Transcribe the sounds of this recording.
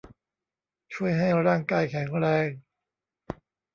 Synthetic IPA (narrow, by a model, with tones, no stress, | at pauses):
t͡ɕʰu˥˩əjɦa˥˩jɾaː˥˩ŋkaː˧jkʰɛ˩˦ŋɾɛː˧ŋ